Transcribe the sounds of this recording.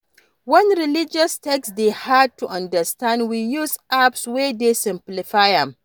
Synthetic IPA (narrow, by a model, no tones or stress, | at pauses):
wɔnɾɪlɪd͡ʒɔstɛksdeːhad̚tuʔɐ̃ndɐstãndwiːjuzʔapsweːdeːsɪ̃mplɪfajam